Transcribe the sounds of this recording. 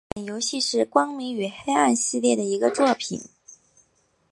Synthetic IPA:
njo˧˥ʊɕi˥˧ʂɻ̩˥˩kwɑ˥ŋmi˧˥ŋy˨˩xe˥ɪa˥˧nɕi˥˧ljɛ˥˩d̪ə˩i˧˥ɡə˧t͡swɔ˥˩pʰḭ˨˩˦n

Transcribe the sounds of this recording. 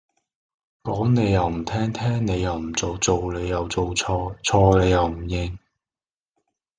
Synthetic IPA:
kɔː˨˥ŋne˨˧jɐ˨wm̩˨˩t̪ʰɛː˥ŋt̪ʰɛː˥ŋne˨˧jɐ˨wm̩˨˩t͡so˨wt͡so˨wle˨˧jːɐ˨wt͡so˨˧wt͡sʰɔː˧t͡sʰɔː˧le˨˧jɐ˨wm̩˨˩jɪ˧ŋ

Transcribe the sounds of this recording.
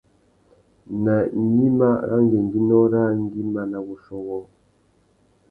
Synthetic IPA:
na˨˦ɲi˦ma˦ɣa̰˦ŋɡe˨ŋ˨ɡi˦nɔ˦ɾa˦ŋ˦ɡi˦ma˨na˨ɣu˨ʃɔ˦ɣɔ˦

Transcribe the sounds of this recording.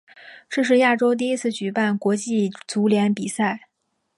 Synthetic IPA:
ʈ͡ʂɤ˥˧ʂ̬ɻ̩˥˧ja˥˩ʈ͡ʂo˥ʊt̪̬i˥˩i˥t͡sʰɹ̩˥˩t͡ɕy˨˩pa˥˩nkwɔ˧˥t͡ɕi˥˩t͡su˧˥ljɛ˧˥npi˨˩sa˥˩ɪ

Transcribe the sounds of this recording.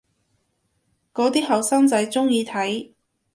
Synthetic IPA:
kɔː˨˥t̪iː˥hɐ˨˩wsɐ˥ŋt͡sɐ˨˥jt͡sʊ˥ŋjiː˧t̪ʰɐ˨˥j

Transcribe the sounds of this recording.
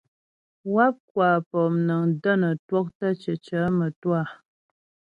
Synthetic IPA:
wa˦p̚kwa˨pɔ˨mnə˨ŋdə˦˨nə˨twɔ˦k̚tə˦t͡ʃə˨t͡ʃə˨˦mə˨twa˦˨

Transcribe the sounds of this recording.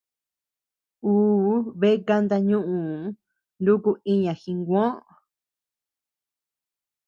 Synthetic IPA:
uː˦βe˦ka˧nd̪a˧ɲũ˦ʔũ˨ | ndu˦ku˧i˦ɲã˨xi˧ŋɡʷõ˦ʔ

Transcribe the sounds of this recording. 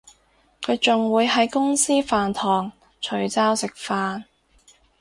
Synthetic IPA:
kʰɵ˨˧ɥt͡sʊ˨ŋwuː˨˧jɦɐ˨˥jkʊ˥ŋsiː˥faː˨nt̪ʰɔː˨˩ŋ | t͡ʃʰɵ˨˥ɥt͡saː˥wsɪ˨k̚faː˨˧n

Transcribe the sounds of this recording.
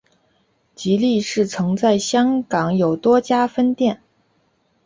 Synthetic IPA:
t͡ɕi˧˥li˥˧ʂɻ̩˥˩t͡sʰɤ˧˥ŋt͡sa˥˩ɪɕjɑ˥ŋkɑ˨˥ŋjo˨˩ʊt̪wɔ˥t͡ɕja˥fə˥nt̪jɛ˥˩n

